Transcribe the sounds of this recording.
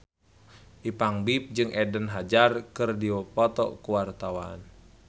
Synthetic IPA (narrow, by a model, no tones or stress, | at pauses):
ʔipaŋbip̚d͡ʒɨŋɛdənɦad͡ʒarkɨrdipɔt̪ɔ̰kuwart̪awa̰n